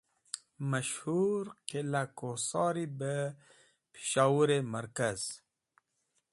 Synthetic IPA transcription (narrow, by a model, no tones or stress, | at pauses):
maʃhuɾqilakosɑːɾibə | pʰi̥ʃɑːwuɾemaɾkaz̥